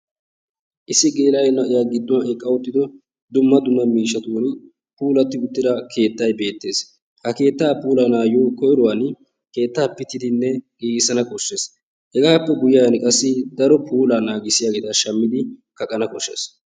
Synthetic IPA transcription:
ʔɪsːɪɡeːlɐjɛnɐʔɪjaːɡɪd̪ːɔwɐʔɛkʼːɐwʊt̪ːɪd̪ɔ | d̪ʊmːɐd̪ʊnːɐmiːʃːɐt̪un | puːlɐt̪ːɪʊt̪ːɪd̪ɐkʰe̞ːt̪ːɐjbe̞ːt̪ːe̞ːs | hɐke̞ːt̪ːaːpuːlɐnaːjoːkɔjɾʊwaːn | ke̞ːt̪ːaːpːɪt̪ːɪd̪ɪnːɛkʼiːɡɪsɐnɐkʼɔʃːe̞ːs | hɛɡaːpːɛɡʊjajɐnkʼɐsːɪd̪ɐɾɔpʰuːlanaːɡɪsɪjaːɡeːt̪ɐʃɐmːɪd̪ɪkɐkʼɐnɐkɔʃːḛːs

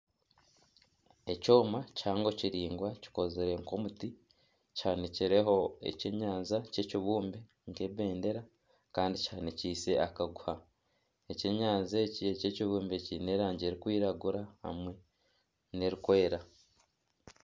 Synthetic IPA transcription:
e̞co̞ːmacaːŋɡo̞ciɾiːŋɡwaci̥ko̞zeɾe̞ŋko̞muti | chaniciɾe̞ɦo̞e̞̰ceɲaːnzace̞ciβuːmbe | ŋke̞βe̞ːnde̞ɾa | kaːndicaniciːse̞akaɡuha | eceɲaːnzeciececiβuːmbecine̞ːɾaːɲɟe̞ɾikwiːɾaɡuɾaha̰mwe̞ | ne̞ɾikwe̞ːɾa

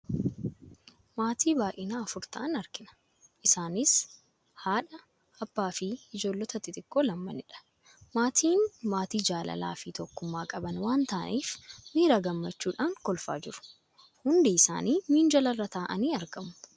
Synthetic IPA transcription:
maːt̪iːbaːʔɪnaːɐfʊɾt̪ɐʔɐnɐɾkɪnɐ̥ | ʔɪsaːnɪs | haːᶑɐ | ɐb̥ːaːfiɪd͡ʒo̞ːlːɔt̪ɐt̪ɪt̪ʼɪkːoːlɐmːɐnɪᶑɐ̥ | maːt̪ʰiːnmaːt̪iːd͡ʒaːlɐ̰la̰ːfit̪ɔkːʊmːaːkʼɐbɐnwaːnt̪aːniːfmiːɾaːɡɐmːɐt͡ʃːuːᶑaːŋkɔlfa̰ːd͡ʒɪɾʊ̥ | hʊnd̪eɪsa̰ːniːmiːnd͡ʒɐlɐrːɐt̪aːʔɐniːɐɾɡɐmʊ̥

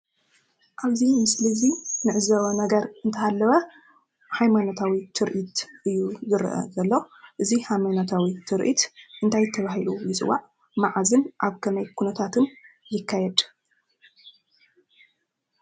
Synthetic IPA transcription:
ʔaβzimɨslɨzinɨʕɨzɐβɐnɐɡɐɾɨnt̪ʰɐhalːɐβɐ | hajmanot̪ʰawit̪ʰɨɾʔit̪ʔɨjːuzɨɾ̰ʔɐ̰zɐlːoʔɨzihamanot̪ʰawit̪ʰɨɾʔḭt̪ʔɨnt̪ʰajt̪ʰːɐβaɦilujɨt͡sʼɨ̰waʕ | maʕazɨnʔaβkʰɐmɐjkʰunɐt̪ʰat̪ʰɨnjɪkʰːajɛd̪

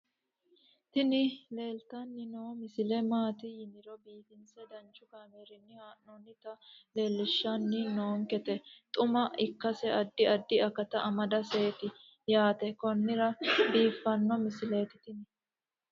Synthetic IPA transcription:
t̪ɪnɪle̞ːlt̪ɐnːɪnoːmɪsɪlɛmaːt̪ɪjɪnɪɾɔbiːfɪnsɛd̪ɐnt͡ʃːʊkaːmeːɾɪnːɪhaːʔnonːɪt̪ɐle̞ːlːɪʃːɐnːɪno̞ːŋkɛt̪ɛt̪ʼʊmɐɪkːɐsɛɐd̪ːɪɐd̪ːɪɐkɐt̪ɐʔɐmɐd̪ɐse̞ːt̪ɪ | jaːt̪ɛkɔnːɪɾɐbiːfːɐnːɔmɪsɪle̞ːt̪ɪ̥t̪ɪnɪ

